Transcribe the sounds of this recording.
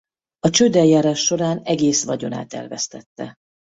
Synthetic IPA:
ɒt͡ʃøːd̪ɛjjaːɾaːʃːo̞ɾaːnɛɡeːsʋɒɟo̞na̰ːt̪ɛ̰rvɛst̪ɛt̪ːɛ

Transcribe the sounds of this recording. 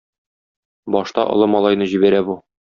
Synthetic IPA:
bɒʃt̪ɑʔŏ̰lˠɤmɒlˠɑjnɤʑibæɾæbu

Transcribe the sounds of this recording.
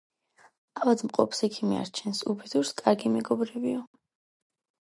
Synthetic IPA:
avad̪mqʼɔpsɛkʰimia̰ɾt͡ʃʰɛnsubɛd̪uɾskʼaɾɡimɛɡɔbɾɛbiɔ

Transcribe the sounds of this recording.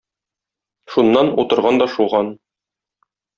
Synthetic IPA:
ʃunːɑnut̪ɤ̆ɾʁɑnd̪ɒʃuʁɑn

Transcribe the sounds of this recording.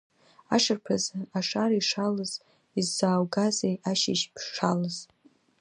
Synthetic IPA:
a̰ʂɨrpʰazɨaʂaɾiʂalɨz̥ | izːaːwɡazejʔaʃɪ̰ʃpʰʂalɨz̥

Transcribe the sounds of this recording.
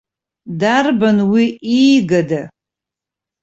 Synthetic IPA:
darbanwiʔijɡada

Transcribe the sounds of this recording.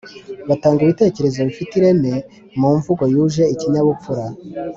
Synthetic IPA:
βataːŋɡiβite̞ːce̞ɾe̞zo̞βifitiɾe̞me̞ | muːɱvuɡo̞juːʒe̞iciɲaβup͡fuɾa

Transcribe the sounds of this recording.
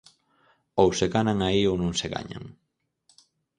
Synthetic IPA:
owseɣanaŋaiownõŋseɣa̰ɲa̰ŋ

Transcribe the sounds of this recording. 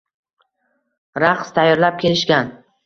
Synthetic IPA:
ɾaqst̪ʰajːɒɾlap̚kʲʰe̞lɪʃkʲan

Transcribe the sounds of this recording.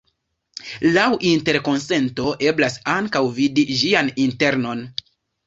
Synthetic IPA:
lawʔinte̞ɾko̞nse̞nto̞ʔe̞blasaŋkawvidiʒianinte̞ɾno̞n

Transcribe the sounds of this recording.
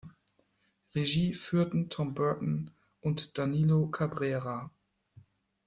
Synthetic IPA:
ʁeʒiːfyːɐtn̩tʰɔmbœɐtn̩ | ʔʊntd̥aniːlokʰabʁɛːʁa

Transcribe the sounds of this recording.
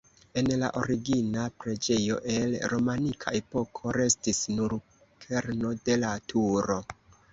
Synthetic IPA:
e̞nla̰ʔo̞̰ɾiɡinapɾe̞d͡ʒe̞jo̞̰ʔe̞lɾo̞manikʰa̰ʔe̞po̞kʰo̞ɾe̞stisnuɾ | kʰe̞ɾno̞de̞latʰuɾo̞

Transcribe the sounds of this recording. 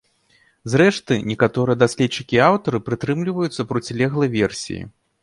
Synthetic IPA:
zɾɛʂt̪ɨnʲɛkat̪ɔɾɨjɛd̪asʲlʲɛtt͡ʂːɨkʲiawt̪ɐɾɨpɾɨt̪ɾɨmlʲivɐjut̪sːɐpɾut͡sʲilʲɛɣlˠɐvʲɛrsʲḭjḭ

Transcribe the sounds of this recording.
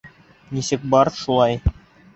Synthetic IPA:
nisɘk̚bɑɾʃulˠɑj

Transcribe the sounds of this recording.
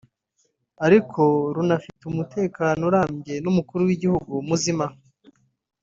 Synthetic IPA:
aɾikʰo̞ɾunafitumute̞ːkaːnoɾaːmɟe̞numukuɾuwiɟihuɡumuzima

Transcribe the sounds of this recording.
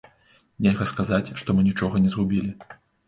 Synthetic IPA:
nʲelʲɣɐskazat͡sʲʂt̪ɔmɨnʲit͡ʂɔɣɐnʲɛzɣubʲilʲi

